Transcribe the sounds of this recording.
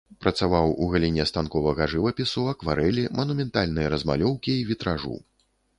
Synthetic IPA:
pɾɐt̪savawuɣalʲinʲɛst̪ankɔvɐɣɐʐɨvɐpʲisuɐkvaɾɛlʲimɐnumʲɛnt̪alʲnɨjɐɾɐzma̰lʲɔwkʲiːvʲit̪ɾaʐṵ

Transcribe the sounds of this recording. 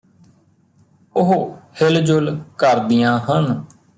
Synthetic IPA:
ʊɦohɪld͡ʒʊlkəɾd̪ijãːɦən

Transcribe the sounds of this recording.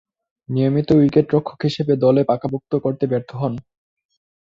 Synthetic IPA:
nijomit̪owikeʈɾokʰːo̥kɦiʃebed̪ɔlepakabok̚t̪okoɾt̪ebeɾt̪ʰoɦɔn

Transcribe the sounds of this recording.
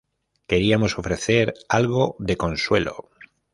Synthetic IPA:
ke̞ɾiamo̞so̞fɾe̞θe̞ɾalɣo̞ðe̞ko̞nswe̞̰lo̰

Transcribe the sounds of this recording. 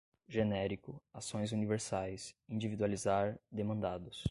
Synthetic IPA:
ʒenɛɾikʊasõj̃zuniveɾsajsĩd͡ʒivid̪ualizaɾd̪emɐ̃nd̪ad̪ʊs

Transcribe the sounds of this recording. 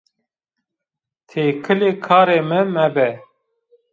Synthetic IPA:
t̪ʰeːkʰɨleːkʰaːɾeːmɨmɛbɛ

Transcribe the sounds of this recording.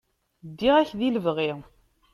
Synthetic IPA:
d̪ːiʁæçðiləvʁi

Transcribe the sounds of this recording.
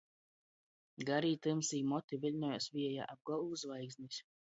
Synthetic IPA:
ɡaɾiːt̪ɨmsiːmɔt̪ivilʲnɔjasviɛja̰ːʔab̚ɡɔlˠvuzvajɡzʲnʲisʲ

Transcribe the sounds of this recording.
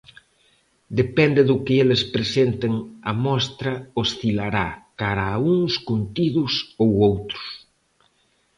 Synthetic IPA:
d̪epɛnd̪eðʊkeelespɾesent̪eŋɐmɔst̪ɾɐosθilaɾakaɾauŋskunt̪iðʊsowowt̪ɾʊ̥s

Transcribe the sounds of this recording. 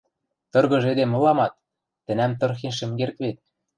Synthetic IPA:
t̪ɤ̆rɣɤ̆ʒed̪emɤ̆lɑmɑt̪̚ː | ɘ̆næmt̪ɤ̆rxenʃ̬ɘ̆mkerkβet̪̚

